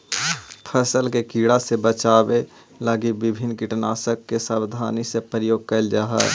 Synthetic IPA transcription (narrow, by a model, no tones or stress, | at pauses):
pʰəsəlkekiɽasebət͡ʃaːbe | laɡibɪbʱɪnːkɪʈnaːsəkːesaːbd̪ʱaːnisepɾəjoːɡ̚kəld͡ʒaːɦɛ̰